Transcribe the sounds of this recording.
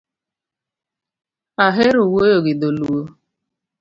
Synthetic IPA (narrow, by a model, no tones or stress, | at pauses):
aɦeɾuwojoɡɪdoluo